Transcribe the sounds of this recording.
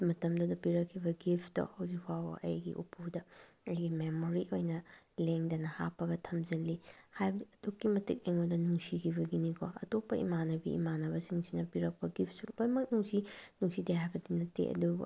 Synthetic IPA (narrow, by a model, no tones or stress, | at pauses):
mɐtɐmdɐdɐpiɾɐkʰːibɐɡipʰdɔ̰hɐwzikʰwawɐ̰ʔɐ̰jɡḭʔṵpʰudɐ | ɐjɡimemoɾiʔojnɐ | leŋdɐnɐhapːɐɡɐtʰɐmzɐlːihajbɐdukːimɐtik̚eŋodɐnuŋsikʰiβɐɡinikʰɔɐ̰topːɐʔḭmanɐbḭḭmanɐβɐsiŋsinɐpiɾɐk̚pɐɡip̚ʰsulojmɐk̚nuŋsinuŋsideɦajbɐdinɐtḛʔɐ̰du